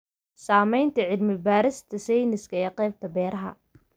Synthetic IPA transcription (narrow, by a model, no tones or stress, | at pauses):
saːmɛjnt̪ʰɐʕɪd̪mɪbaːɾɪst̪ʰɐsɛjnɪskʰɐɛːqɛːb̚t̪ʰɐbɛːɾɐɦɐ̰